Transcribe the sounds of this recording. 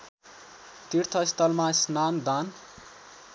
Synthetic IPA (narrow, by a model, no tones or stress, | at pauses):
t̪irt̪ʰʌist̪ʌlmasnand̪an